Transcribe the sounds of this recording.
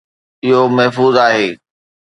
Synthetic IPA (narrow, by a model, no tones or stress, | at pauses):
ɪɦomɐɦfuːzaːɦeː